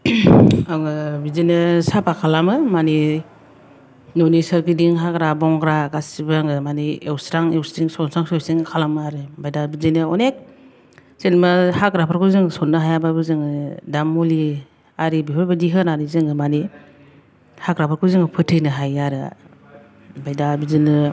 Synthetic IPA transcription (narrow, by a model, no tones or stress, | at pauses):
aŋɯbizinɯsapʰakʰalamɯmani | nɔnisaɾkidiŋɦakɾabɔŋɡɾaɡasibaŋɯmaniewsɾaŋewsiŋsɔnsaŋsɔsiŋkʰalamaɾɯbajdabizinɯɔnek̚ | senmahakɾapʰaɾkʰuzɯŋsɔnːɯɦajababɯzɯŋɯdamːuli | aɾibiɦʰɔɾbadiɦɯnaɾizɯŋɯmani | hakɾapʰaɾkʰuzɯŋɯpʰɯtʰɯjnɯɦajaɾɯ̰ | bajdabizinɯ